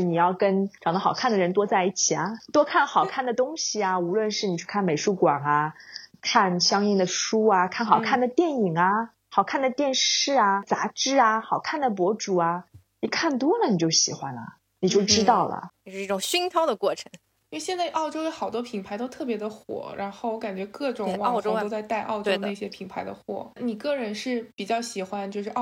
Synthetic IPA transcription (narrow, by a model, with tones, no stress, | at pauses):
ni˨˩jɑ˥˩ʊkə˥nʈ͡ʂɑ˨˩ŋd̪ə˥xɑ˨˩ʊkʰa˥˩nd̪ə˩ɻə˧˥nt̪wɔ˥t͡sa˥˧ɪi˥˩t͡ɕʰi˨˩ɐ˦t̪wɔ˥kʰa˥˩nxɑ˨˩ʊkʰa˥˩nd̪ə˩t̪ʊ˥ŋɕi˨a˩u˧˥lwə˥˧nʂɻ̩˥˩ni˨˩t͡ɕʰy˥˧kʰa˥˩nme˨˩ɪʂu˥˩kwa˨˩ŋa˦kʰa˥˩nɕjɑ˥ŋi˥˩nd̪ə˩ʂu˥ɐ˧kʰa˥˩nxɑ˨˩ʊkʰa˥˩nd̪ə˩t̪jɛ˥˩ni˨˩ŋɐ˧ | xɑ˨˩ʊkʰa˥˩nd̪ə˩t̪jɛ˥˧nʂɻ̩˥˩ɐ˩t͡sa˧˥ʈ͡ʂɻ̩˥˩ɐ˩xɑ˨˩ʊkʰa˥˩nd̪ə˩p̬wɔ˧˥ʈ͡ʂu˨˩ɐ˧ | ni˨˩kʰa˥˩nt̪wɔ˥lə˨ni˨˩t͡ɕjo˥˩ʊɕi˨˩xwa˦nlə̰˩ | ni˨˩t͡ɕjo˥˩ʊʈ͡ʂɻ̩˥t̪ɑ˥˩ʊlə̰˩˧ʂɻ̩˧i˥˩ʈ͡ʂʊ˨˩ŋɕi˥ŋt̪ʰɑ˥ʊd̪ə˨kwɔ˥˩ʈ͡ʂʰɤ̥˧˥ŋ˥˧ | ɕjɛ˥˧nt͡sa˥˩ɪʔɑ˥˩ʊʈ͡ʂo˥ʊjo˧˥xɑ˨˩ʊt̪wɔ˥pʰi˨˩ŋpʰa˧˥ɪt̪o˥ʊt̪ʰɤ˥˩pjɛ˧˥d̪ə˧xwɔ̰˨˩˦ɻa˧˥nxo˥˩wɔ˧˥ka˨˩nt͡ɕɥɛ˧˥kɤ˥˩ʈ͡ʂʊ˨˩ŋwo˥ʊt͡sa˥˧ɪt̪a˥˧ɪʔɑ̰˥˧ʊʈ͡ʂoe˥˩ʊe˥˧˩ɕjɛ˥pʰi˨˩ŋpʰa˧˥ɪd̪ə̰˧xwɔ̰˥˩ni˨˩kɤ˥˩ɻə˧˥nʂɻ̩˥˩pi˨˩t͡ɕjɑ˥˩ʊɕi˨˩xwa˦nt͡ɕjo˥˧ʊʂɻ̩˥˩˥